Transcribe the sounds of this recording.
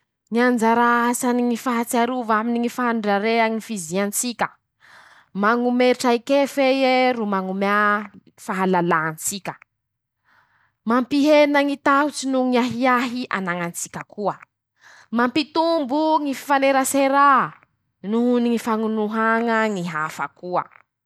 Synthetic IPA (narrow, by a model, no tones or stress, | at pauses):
ŋiand͡ʒaɾasaniŋifaɦat͡saɾuvaminiŋifaɦaɳɖ͡ʐaɾeaŋifiziant͡sikʲə | maŋumeʈ͡ʂajikefejeɾumaŋuma | faɦalalaant͡sikʲə | mampiɦenaŋit̪aɦut͡sinuŋiaɦiaɦiʔa̰naŋant͡si̥kʲəkʰuə | mampit̪umbuŋifi̥faneɾaseɾa | nuɦuniŋifaŋunuɦaŋəŋiɦafəkuə̰